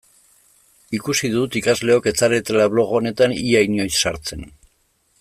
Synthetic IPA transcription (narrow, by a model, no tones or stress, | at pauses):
ikusiðut̪ikazle̞o̞ke̞t͡saɾe̞t̪elaβ̞lo̞ɣ̞o̞ne̞t̪aniajɲo̞jssaɾt͡se̞n